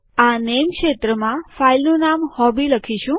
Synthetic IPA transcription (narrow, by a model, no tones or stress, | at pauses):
anemkʃet̪ɾəmãfailnunamhɔbiləkʰiʃũ